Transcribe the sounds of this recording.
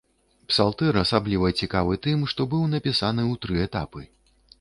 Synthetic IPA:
psalˠt̪ɛɾɐsablʲivɐt͡sʲikavɨt̪ɨmʂt̪ɔbɨwnɐpʲisanɨwt̪ɾɨɛt̪apɨ

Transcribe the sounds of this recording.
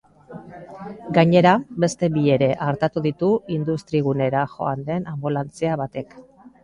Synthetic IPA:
ɡaɲe̞ɾabe̞st̪e̞bie̞ɾe̞ʔaɾt̪at̪uðit̪uind̪ust̪ɾiɣ̞une̞ɾaʝo̞and̪e̞nambulant͡seaβat̪e̞k

